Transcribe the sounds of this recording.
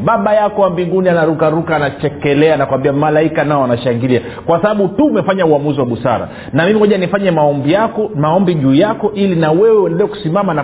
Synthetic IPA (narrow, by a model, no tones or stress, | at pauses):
ɓaɓajakɔwambiŋɡunianaɾukaɾukaːnat͡ʃɛkɛlɛanakwambiamalaikanaɔanaʃaŋɡilia | kwasaɓaɓutuːmɛfaɲauamuziwaɓusa̰ɾa̰ | namimihɔʄanifaɲɛmaɔmbijakɔmaɔmbiʄuːjakɔʔilinawɛwɛwɛndɛlɛɔku̥simamana